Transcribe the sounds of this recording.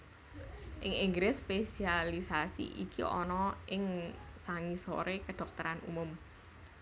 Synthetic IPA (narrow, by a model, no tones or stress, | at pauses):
ʔɪŋiŋɡɾɪspesialisasḭʔikḭɔ̰nɔʔɪŋsaŋiso̰ɾekəɖ̪̥ɔk̚t̪əɾanṵmʊm